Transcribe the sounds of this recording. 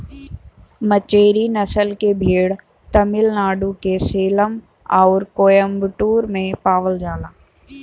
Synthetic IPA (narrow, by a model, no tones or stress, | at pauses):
mət͡ʃeːɾinəsəlkebʱeːɽ | t̪əmɪlnaːɖũkeseːləm | aːɾkoːjəmbʈuːɾmẽpaːʋəld͡ʒaːlaː